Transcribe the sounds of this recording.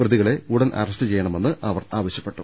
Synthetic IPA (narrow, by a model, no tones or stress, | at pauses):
prɐðiɣɐɭe̞uɽɐnʔɐ̰rɐstɨt͡ɕe̞jːɐɳɐme̞nːɨʔɐʋɐraːʋɐɕjɐpːe̞ʈːu